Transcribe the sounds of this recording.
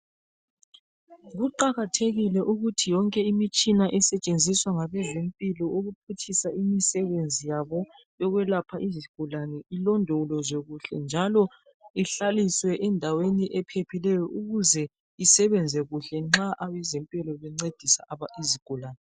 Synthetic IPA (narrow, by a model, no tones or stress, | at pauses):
ɣuǃaɣatʰeɣilɛʔuɣutʰijɔŋkʼɛimit͡ʃʼinaʔɛsɛt͡ʃʼend͡zʱiswaŋaβɛzempʼilɔuɣupʰutʰisaimisɛβend͡zʱijaβɔ | jɔɣwɛlapʰaʔiziɡ̥ʱulanɛʔilɔndʱɔlɔzweɣuɬɛ̰nd͡ʒʱalɔ | iɬaliswɛʔɛndʱaweniʔɛpʰepʰilɛjɔʔuɣuzɛ | isɛβɛnd͡zʱɛɣuɬɛŋ͡ǁaʔaβɛzempʼilɔβɛŋ͡ǀed̥ʱisaʔaβaʔiziɡ̥ʱulaːnɛ